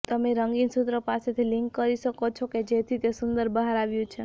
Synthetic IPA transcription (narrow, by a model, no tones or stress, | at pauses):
t̪əmeɾəŋɡinsut̪ɾəpaset̪ʰiliŋkːəɾisəkot͡ʃʰoked͡ʒet̪ʰit̪esund̪əɾbəɦaɾaʋjũt͡ʃʰe